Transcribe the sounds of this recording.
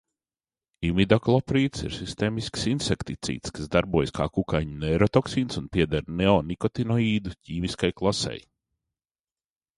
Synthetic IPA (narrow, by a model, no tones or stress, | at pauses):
imid̪aklˠɔpɾiːt̪sḭɾsist̪eːmisksinsekt̪it̪sḭːt̪skasd̪aɾbuɔjska̰ːkukajɲuneɾɔt̪ɔksiːnsunpiɛd̪aɾnɛɔnikɔt̪inɔiːd̪ucʰiːviskajklˠasɛ̰j